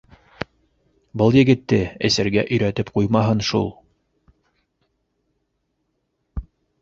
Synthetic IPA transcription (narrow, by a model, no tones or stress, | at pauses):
bɤlˠjɘ̆ɡɘ̆t̪ːɘæ̰sæɾɡæʔɵ̆jɾæt̪ɘpqujmɑɦɤnʃṵlˠ